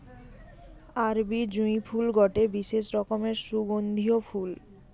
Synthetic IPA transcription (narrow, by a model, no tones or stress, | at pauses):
aɾbid͡ʑujpʰulɡɔʈebiʃeʃɾɔkomeɾʃuɡond̪ʱiofʰul